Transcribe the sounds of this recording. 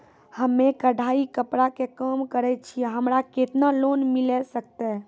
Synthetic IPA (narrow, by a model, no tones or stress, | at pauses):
həmːekəɖʱaikəpɾakekəmkəɾɛt͡ʃʰiɛɦəmɾaket̪nalonmilɛsək̚t̪ɛ